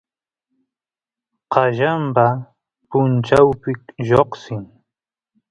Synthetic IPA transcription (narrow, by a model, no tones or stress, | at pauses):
qɑʒampa | pʊnt͡ʃawpɪkʒoχsɪŋ